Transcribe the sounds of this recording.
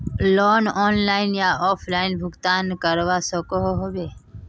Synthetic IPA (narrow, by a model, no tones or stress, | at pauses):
loːnɔːnlaːɪnjaːɔːpʰlaːɪnbʱʊɡt̪aːnkəɾʋaːsəkoɦoɦoʋeː